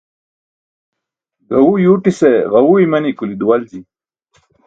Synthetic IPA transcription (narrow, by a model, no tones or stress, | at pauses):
ɡɐwujuːʈiseɣɐwuimɐnikulid̪uwɐld͡ʑi